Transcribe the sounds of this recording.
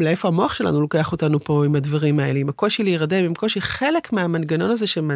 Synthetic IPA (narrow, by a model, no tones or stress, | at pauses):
lee̞fo̞amo̞aχʃela̰nulo̞ke̞aχo̞tanupo̞imad̪vaʁimae̞leimako̞ʃiliiʁademimko̞ʃiχe̞le̞kmeamanɡano̞naze̞ʃema